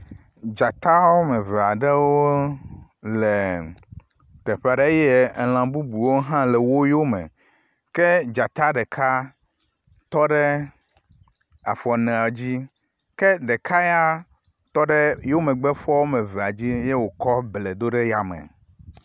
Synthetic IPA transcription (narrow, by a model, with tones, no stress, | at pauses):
d͡ʒa˨t̪a˦wo˦me˨ve˨a˨ɖe˦wo˦ | le˨ | t̪e˨ɸa˨ɖe˦je˦˨l̃ã˨bu˦bu˨wo˦ɦã˦lɛ˨wo˦jo˦mḛ̃˨ | ke˦d͡ʒa˨t̪a˦ɖe˨kʰa˦ | t̪ɔ˦ɖɛ˦ | a˨fɔ˨nɛ̃˨a˨d͡ʑi˦ | kɛ˦ɖe˨kʰa˦ja˦ | t̪ɔ˦ɖe˦jo˦mẽ˨ɡ͡be˦fɔ˦wo˦mẽ˨ve˨a˨d͡ʑi˦je˦wo˨kɔ˦ble˨d̪o˦ɖe˦ja˨mḛ˨